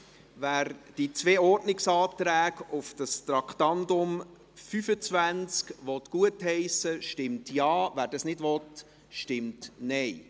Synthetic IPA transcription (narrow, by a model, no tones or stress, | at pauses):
væːɾd̥it͡sveːɔɾdnɪksɑːt̪ɾæːɡʊfd̥ɑst̪ɾɑktɑndʊm | fyfət͡svænt͡skʋɔtkuəthɛɪsəʃtɪmtjɑːvæːɾdɑsnɪdʋɔt | ʃtɪmtnɛɪ